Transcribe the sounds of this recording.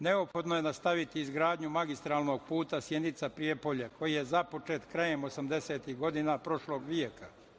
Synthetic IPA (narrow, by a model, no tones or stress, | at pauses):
ne̞opxo̞d̪noje̞nast̪aʋit̪iːzɡɾaːd̪ɲumaɡist̪ɾaːlˠno̞ɡ̚puːt̪asje̞d̪nit̪sapɾije̞po̞ʎekʰo̞jijezapo̞t͡ʃe̞ːt̪kɾaje̞mo̞samd̪e̞seːt̪iɦɡo̞d̪inapɾo̞ʃlo̞ːɡʋie̞ka